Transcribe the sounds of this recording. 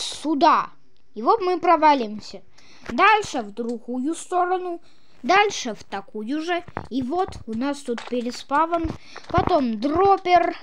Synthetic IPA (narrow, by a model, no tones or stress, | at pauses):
sʊd̪a | ɪvot̪mɨpɾɐvalʲɪmsʲə | d̪alʲʂɨvd̪ɾʊɣujʊst̪o̞ɾənʊ | d̪alʲʂɨvt̪ɐkujʊʐɨivot̪ʊnast̪ut̪̚pʲɪɾʲɪspavən | pɐt̪o̞md̪ropʲɪr